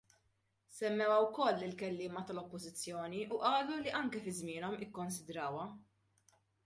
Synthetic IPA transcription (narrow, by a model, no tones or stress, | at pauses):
sɛmːɛwɐwkɔlːɪlkɛlːɪːmɐt̪ɐlɔpːɔzɪt͡sːjɔːniʔuʔɐːluliʔɐŋkɛfɪzmɪːnɔmɪkːɔns̬ɪd̪ɾɐːwɐ